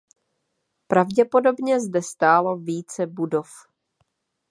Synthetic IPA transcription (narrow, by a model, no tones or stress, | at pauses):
pɾavɟɛpo̞do̞bɲɛzdɛst̪aːloviːt͡sɛbudo̞f